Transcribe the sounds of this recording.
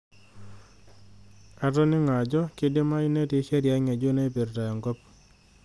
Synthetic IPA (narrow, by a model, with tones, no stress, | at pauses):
a˦tɔ˦nɪ˦ŋa˨d͡ʒɔ˦kɪ˦dɪ˦ma˦ɪ˦ne˦tɪ˨˦ʃɛ˦ɾja˦ŋa˨d͡ʒo˦na˦i˦pe˨ɾta˨jɔ˨ŋɡo˦p